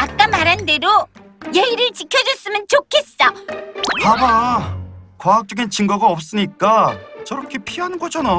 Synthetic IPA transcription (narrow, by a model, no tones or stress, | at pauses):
at͈amaɾɦande̞do | jeiɾɯɭt͡ɕikʰjʌd͡ʑʌs͈ɯmɯnt͡ɕokʰe̞s͈ʌ | aba | kwaɦak̚t͡ɕ͈ʌɡint͡ɕiŋɡaɡaʌp̚s͈ɯɲik͈at͡ɕʌɾʌkʰepʰiɦanɯnɡʌd͡ʑʰʌna